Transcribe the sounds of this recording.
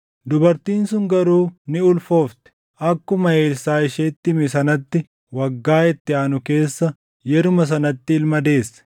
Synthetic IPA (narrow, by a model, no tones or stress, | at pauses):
d̪ʊbɐɾt̪iːnsʊŋɡɐɾuːnɪʊlfo̞ːft̪ɛ̥ | ʔɐkːʊmɐe̞ːlsaːɪʃeːt̪ːɪmɪsɐnɐt̪ːɪ | wɐɡːaːɛt̪ːɪaːnʊke̞ːsːɐ | jɛɾʊmɐs̬ɐnɐt̪ːɪɪlmɐd̪e̞ːsːɐ̥